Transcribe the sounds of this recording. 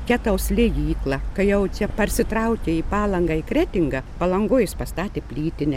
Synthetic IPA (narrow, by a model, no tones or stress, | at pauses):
kʲæt̪ɐʊsʲlʲɪjiːklˠɐkɐɪjɛʊt͡ʃʲɛpɐrʲsʲɪt̪ɾɐʊkʲeiːpɑːlˠɐŋɡɐikɾʲæːt̪ʲɪŋɡɐpɐlˠɐŋɡʊːjɪspɐst̪ɑːt̪ʲeːpʲlʲiːt̪ʲɪnʲɛ